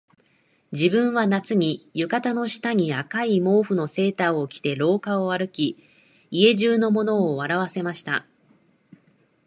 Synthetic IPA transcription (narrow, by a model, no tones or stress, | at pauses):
d͡ʑibɯ̟̃ɰ̃βanat͡sɨɲ̟ijɯ̟kat̪ano̞ɕi̥t̪aɲ̟iakaimo̞ːɸɯ̟no̞se̞ːt̪aokʲi̥t̪e̞ɾo̞ːkao̞aɾɯ̟kʲi | ie̞ʑɨːno̞mo̞no̞ːβaɾaβ̞ase̞maɕi̥t̪a̰